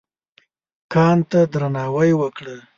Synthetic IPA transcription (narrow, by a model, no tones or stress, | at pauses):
kɑnt̪ad̪ɾanɑwajwəkɽə